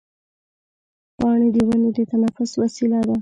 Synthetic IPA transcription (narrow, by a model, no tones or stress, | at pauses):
pɑɳed̪əwaned̪ət̪anafʊswasilad̪a